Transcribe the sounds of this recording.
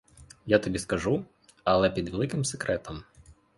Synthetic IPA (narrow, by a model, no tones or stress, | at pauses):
jat̪ɐbʲiskɐʒu | ɐlˠɛpʲid̪ʋelˠɪkɪmsekɾɛt̪ɐm